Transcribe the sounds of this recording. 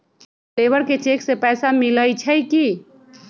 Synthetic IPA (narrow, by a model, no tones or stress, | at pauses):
plebəɾket͡ʃekʰsepɛjsamiləjt͡ʃʰəjki